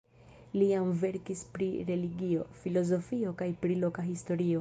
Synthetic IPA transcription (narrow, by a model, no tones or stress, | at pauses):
lijamve̞ɾkispɾiɾe̞liɡio̞filo̞zo̞fio̞kajpɾilo̞kaɦisto̞ɾio